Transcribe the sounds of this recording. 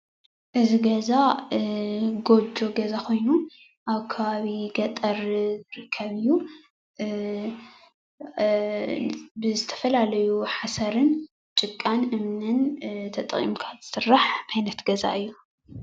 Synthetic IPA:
ʔɨziɡɐza | ɡo̞d͡ʒo̞ɡɐzakʰo̞jnu | ʔaβkʰɐβaβiɡɐt̪ʼɐɾzɨɾɨkʰːɐβɨjːu | bɨzɨt̪ʰɐ̥fɐlalɐjuħasɐɾɨn | t͡ʃʼɨkʼːanʔɨmnɨnt̪ʰɐt̪ʼɨχʼḭmkʰḁzɨ̥sɨrːaħʔajnɐt̪ɡɐza̰ʔɨjːu

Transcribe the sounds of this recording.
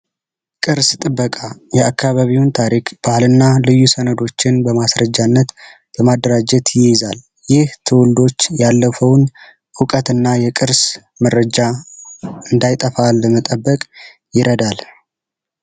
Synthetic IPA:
kʼɨɾst̪ʼɨbːəkʼajɛakʰːaβaβiwnt̪ʰaɾikb̥alɨnːalɨjːusənəd̪o̞t͡ʃːɪnbəmasɾəd͡ʒanːət̪ | bəmad̪əɾad͡ʒɛt̪jɪzal | jɪht̪ʰɨwʊld̪o̞t͡ʃːjalːəfəwn | ʔɨkʼət̪ɨnːajɛkʼɨɾs | məɾəd͡ʒa | ɨnd̪ajt̪ʼəfalːəmət̪ʼəbːəkʼ | jɪɾʔəd̪al

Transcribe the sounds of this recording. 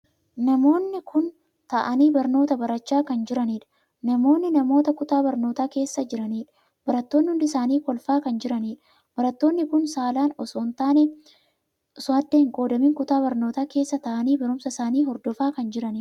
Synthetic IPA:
nɐmo̞ːnːɪkʰʊn | t̪ɐʔɐniːbɐɾno̞ːt̪ɐbɐɾɐt͡ʃːaːkɐnd͡ʒɪɾɐniːᶑɐ̥ | nɐmo̞ːnːɪnɐmo̞ːt̪ɐkʊt̪aːbɐɾnoːt̪aːke̞ːsːɐd͡ʒɪɾɐniːᶑɐ̥ | b̥ɐɾɐt̪ːoːnːɪhʊnd̪ɪsaːniːkɔlfaːkɐnd͡ʒɪɾɐniːᶑɐ̥ | b̥ɐɾɐt̪ːo̞ːnːɪkʊnsaːlaːnɔsoːnt̪aːnɛ | sʊɐd̪ːeɪŋkʼo̞ːd̪ɐmiːŋkʊt̪aːbɐɾno̞ːt̪aːke̞ːsːɐt̪ɐʔɐniːbɐɾʊmsɐsaːniːɦɔɾd̪ɔfaːkɐnd͡ʒɪɾɐniːᶑ

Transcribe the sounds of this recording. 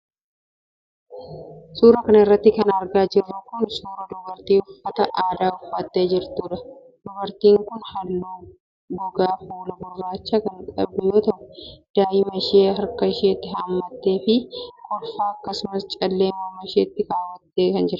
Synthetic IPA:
suːɾɐkɐnɐɪrːɐt̪ːɪkɐnɐɾɡaːd͡ʒɪrːɐkʊnsuːɾɐd̪ɔbɐɾt̪iːʊfːɐt̪ɐʔaːd̪aːʊfːɐt̪ːe̞ːd͡ʒɪɾt̪uːᶑɐ | d̪̥ɔbɐɾt̪iːŋkʊnhɐlːuː | bʊɡaːfoːlɐbʊrːaːt͡ʃːɐkɐŋkʼɐbbʊjo̞ːt̪ɐʔʊd̪̥aːjɪmɐʃeːɦɐɾkɐʃeːt̪ːɪɦaːmːɐt̪ːe̞ːfɪkʼɔfːaːɐkːɐsʊmɐst͡ʃʼɐlːeːmoːmɐʃḛːt̪ːɪkaːwːɐt̪ːe̞ːkɐnd͡ʒɪɾ

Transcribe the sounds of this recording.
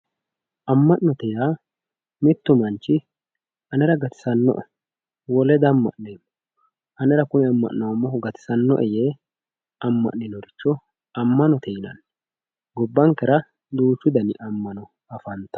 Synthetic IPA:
ʔɐmːɐʔnːɔt̪ɛjaː | mɪt̪ːʊmɐnt͡ʃːɪ | ʔɐnɛɾɐɡɐt̪ɪ̥sɐnːɔ̰ʔ | wɔlɛd̪ɐmːɐ̰ʔneːmːɔ | ɐnɛɾɐkʊnɛɐmːɐ̰ʔnɐwɐmːɔɡɐt̪ɪ̥sɐnːɔ̰ʔɛjeː | ɐmːɐ̰ʔnːɪnɔɡɪt͡ʃːɔ | ɐmːɐnɔt̪ʰɛjnɐ̰n | ɡɔbːɐŋkɛɾɐ | d̪uːt͡ʃːʊd̪ɐnɪʔɐmːɐnɔ | ɐfɐnt̪ːɐ̥

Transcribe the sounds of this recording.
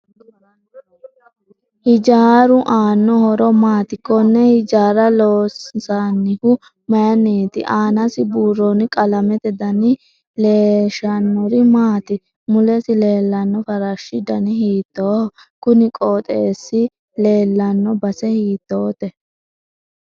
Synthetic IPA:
hɪd͡ʒaːɾʊʔaːnːɔhɔɾɔmaːt̪ɪkːɔnːɛhɪd͡ʒaːɾɐloːssanːɪhʊ | mɐjɐneːt̪ɪʔaːnɐsɪbuːrɔnɪkʼɐlɐmɛt̪ɛd̪ɐnɪ | leːʃɐnːɔɾɪmaːt̪ɪ | mʊlɛsɪle̞ːlːɐnːɔfɐɾɐʃːɪd̪ɐnɪhiːt̪ːoːkʊnɪkʼoːt̪ʼeːsːɪ | le̞ːlːɐnːɔbɐsɛhiːt̪ːo̞ːt̪ɛ

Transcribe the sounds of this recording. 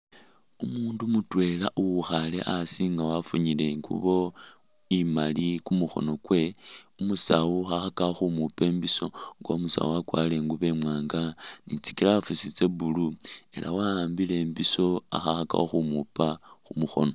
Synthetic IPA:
umuːndumutwe̞laʔuwuxale̞̰ʔasiŋɡawafuɲile̞ŋɡṵβo̞ | imalikumuxo̞̰no̞kwe̞umusauxaxakaxumupe̞ːmbiso̞ŋɡwa̰umusa̰uakwa̰le̞ŋɡuβe̞mwaːŋɡanit͡si̥kilaafusit͡se̞bulue̞̰lʔa̰waːmbile̞ːmbiso̞a̰xaxaka̰oxumupaxumuxo̞̰no

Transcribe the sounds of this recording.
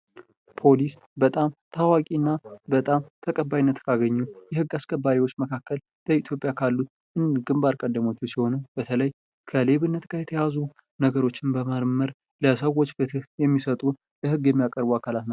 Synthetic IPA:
pʰo̞lis | bət̪ʼamt̪ʰawakʼinːabət̪ʼamt̪ʰəkʼəbːajinːət̪kʰaɡəɲːujɛhɨɡːaskʰʼəbːaɾiwo̞t͡ʃːməkʰakːəl | b̥əit̪ʰjo̞pʼjakʰalːut̪ | ɨnɡɨmbaɾkʼəd̪ːəmo̞t͡ʃːɛsiho̞nəb̥ət̪ʰələj | kʰəle̞βɨnːət̪ɡajɛt̪ʰəjazu | nəɡəɾo̞t͡ʃːɪnbəmaɾməɾ | ləsəwo̞t͡ʃːfɨt̪ʰɨhjɛmːisət̪ʼu | jɛhɨɡjɛmːijakʼəɾbuakʰalat̪na

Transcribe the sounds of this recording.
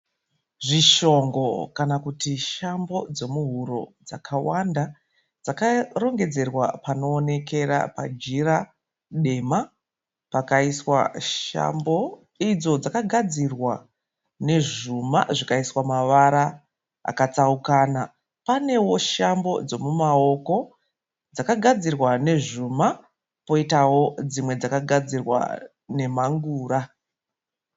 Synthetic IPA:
ʐiʃo̞ŋɡo̞kanakutiʃambo̞d͡zo̞muɦuɾo̞̰d͡zakʰawanda | d͡zakaro̞ŋɡe̞d͡ze̞rwa̰pano̞ːne̞kʰe̞ɾa̰pa̰d͡ʒiɾa | ɗe̞ma | pakaiswa̰ʃa̰mbo̞ | id͡zo̞d͡zakaɡʱad͡zirwa | ne̞ʐuma̰ʐikaiswamaʋaɾa | a̰kat͡saukaːna | pane̞wo̞ʃambo̞̰d͡zo̞mumao̞ko̞ | d͡zakaɡʱad͡zirwane̞ʐuma | po̞itawo̞d͡zimwe̞d͡zakaɡʱad͡zirwa̰ | ne̞maŋɡuːɾa

